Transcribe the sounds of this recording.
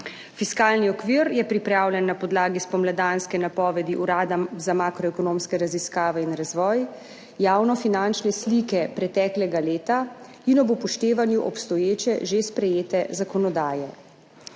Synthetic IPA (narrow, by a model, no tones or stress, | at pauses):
fiskaːlniɔkʋiːɾjɛpɾipɾaːwlʲɛnːapɔd̪laːɡispɔmlad̪anskɛnapɔːʋɛd̪iʔuɾaːd̪azamaːkɾɔɛkɔnoːmskɛɾaziskaːʋɛinɾazʋɔːj | jaːwnɔfinant͡ʃnɛslikɛpɾɛt̪ɛːklɛɡaleːt̪a | inɔbɔpɔʃt̪eːʋanjuʔɔpst̪ɔjeːt͡ʃɛʒespɾɛjeːt̪ɛzakɔnɔd̪aːjɛ